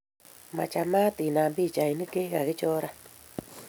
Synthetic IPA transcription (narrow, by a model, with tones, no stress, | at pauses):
ma˨t͡ʃa˨ma˦ti˨na˨mbi˦˨t͡ʃa˨i˨ni˦ke˦ɣa˨ɣɪ˦t͡ʃɔ˦ɾa˦